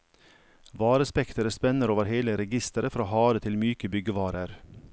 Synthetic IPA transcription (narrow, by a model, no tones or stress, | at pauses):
ʋɑːɾəspɛkt̪əɾəspɛnəɾoːʋəɾheːləɾɛɡɪst̪əɾəfɾɑːhɑːɾət̪ʰɪlmyːkəbʏɡəʋɑːɾəɾ